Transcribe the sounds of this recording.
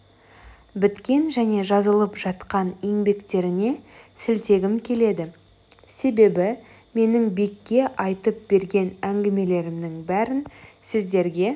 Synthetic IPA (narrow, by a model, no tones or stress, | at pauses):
bɪt̪kʲe̞nʒæne̞ʒɑzəlˠəpʒɑt̪qɑneŋbe̞kt̪e̞ɾɪne̞sɪlt̪e̞ɡʲɪmkʲʰe̞le̞d̪ɪ | se̞be̞bɪ | me̞nɪŋbikʲːe̞ʔɑjt̪əp̚be̞ɾɡʲe̞næŋɡʲɪme̞le̞ɾɪmd̪ɪŋbæɾɪnsɪzd̪e̞ɾɡʲe̞